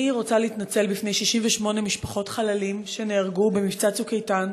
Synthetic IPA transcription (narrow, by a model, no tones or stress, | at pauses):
iʁo̞t͡saliitnat͡se̞lbifne̞jʃiʃiɱveʃmo̞ne̞miʃpaχo̞tχalalimʃe̞neaʁɡube̞mift͡sat͡sukejtan